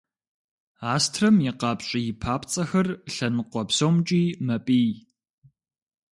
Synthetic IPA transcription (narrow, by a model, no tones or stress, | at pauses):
aːstʰrɐmjɪqɑːpɕʼɪjɪpʰaːpʰt͡sʼɐxɐrɬɐnɨqʷɔpsowmt͡ʃʼiːmɐpʼiː